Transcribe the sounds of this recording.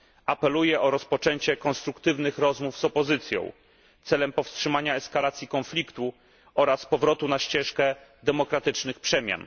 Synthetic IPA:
apɛlujɛʔɔɾɔspɔt͡ʂɛɲt͡ɕɛkɔ̃nst̪ɾukt̪ɘvnɘxɾɔzmuvzɔpɔzɘt̪sʲjɔ̰̃w̃ | t̪sɛlɛmpɔfstʂɘmaɲaɛskalat̪sʲjikɔnflʲikt̪u | ʔɔɾaspɔvɾɔt̪unaɕt͡ɕɛʂkɛd̪ɛmɔkɾat̪ɘt͡ʂnɘxpʂɛmʲja̰n

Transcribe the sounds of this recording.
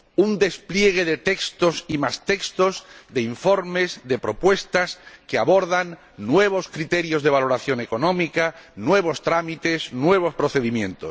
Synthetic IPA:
und̪e̞splje̞ɣ̞e̞ðe̞t̪e̞kst̪o̞simast̪e̞kst̪o̞zðe̞iɱfo̞ɾme̞zðe̞pɾo̞pwe̞st̪askeaβo̞ɾðanː | we̞β̞o̞skɾit̪e̞ɾjo̞zðe̞β̞alo̞ɾaθjo̞ne̞ko̞nõ̞mikaːwe̞β̞o̞st̪ɾamit̪e̞znwe̞β̞o̞spɾo̞θe̞ðimjẽ̞nt̪os

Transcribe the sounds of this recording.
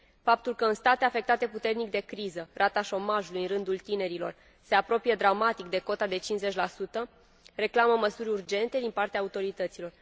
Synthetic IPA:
fap̚t̪ulkəɨnst̪at̪eafe̞k̚t̪at̪e̞put̪e̞rnik̚d̪e̞kɾizərat̪aʃo̞maʒulujɨnrɨnd̪ult̪ine̞ɾilo̞̰r | se̞apɾo̞pijed̪ɾamat̪ikd̪e̞ko̞t̪ad̪e̞t͡ʃinze̞t͡ʃʲlasut̪ə | re̞klaməməsuɾʲurd͡ʒe̞nt̪e̞d̪inpart̪eaːut̪o̞ɾit̪ət̪silo̞r

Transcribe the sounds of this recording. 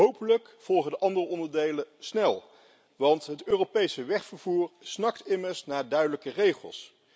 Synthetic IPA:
ɦowpələk | v̥ɔlˠχədəʔɑndərəɔndəɹdejləsnɛlˠ | ʋɑntɦətøːropejsəʋɛχfəɹvuːɹsnɑk̚tɪməɹsnaːɹdœɥdələkərejχə̰lˠs

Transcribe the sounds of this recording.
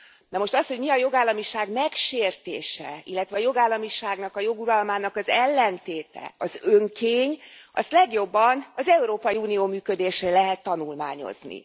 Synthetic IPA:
nɛmo̞ʃt̪ɒsho̞ɟmiɒjo̞ɡaːlːɒmiʃaːɡmɛkʃeːrt̪ḛːʃɛ̰ilːɛt̪ʋɛːjo̞ɡaːlːɒmiʃaːɡnɒkɒjo̞ɡuɾɒlmaːnɒkɒzɛlːɛnt̪eːt̪ɛ̰ɒzøŋkʰeːɲʔɒ̰st̪lɛɡjo̞bːɒnɒzɛuɾoːpɒjiuːnijoːmyːkø̞d̪eːʃɛlɛɦɛt̪ːɒnulma̰ːɲo̞̰znḭ

